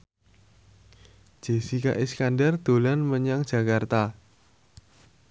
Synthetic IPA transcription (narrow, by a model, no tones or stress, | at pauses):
ʒ̥esikaʔiskandɛrd̪̥o̤lanməɲaŋ̥ʒ̥a̤kart̪a